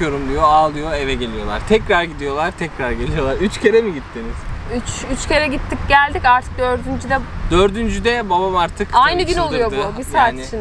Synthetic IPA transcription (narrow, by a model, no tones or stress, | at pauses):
jo̞ɾumd̪ijo̞aːlˠɯjo̞e̞vɛɟe̞lʲijo̞lˠa̰ɾt̪ʰɛcɾaɾɟid̪ijo̞lˠaɾt̪ʰɛcɾaɾɟe̞lijo̞lˠaɾyt͡ʃcʰe̞ɾɛmiɟit̪ʰːiniz̥yt͡ʃyt͡ʃce̞ɾɛɟit̪ʰːicɟælʲd̪icaɾt̪ʰɯ̥k̚d̪ø̞ɾd̪ynd͡ʒyd̪ɛd̪øɾd̪ynd͡ʒyd̪ɛbabamaɾt̪ʰɯkajnɯɟynolˠujo̞ubisaːt̪ʃin